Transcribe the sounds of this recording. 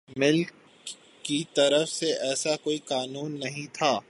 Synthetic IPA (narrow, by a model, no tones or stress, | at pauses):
mɪlkː | it̪ɐɾəfseɛːsakoːikaːnuːnːɐɦĩt̪ʰaː